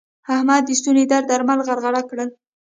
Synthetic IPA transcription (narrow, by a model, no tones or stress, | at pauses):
hahmad̪ːəst̪uned̪aɾd̪aɾmalɣaɾɣaɽakɽəl